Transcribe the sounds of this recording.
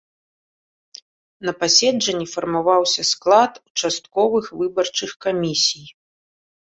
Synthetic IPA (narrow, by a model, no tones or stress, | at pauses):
nɐpasʲɛd͡ʐɐnʲːifɐrmavawsʲɐsklˠat̪ut͡ʂast̪kɔvɨxvɨbɐrt͡ʂɨxkamʲisʲij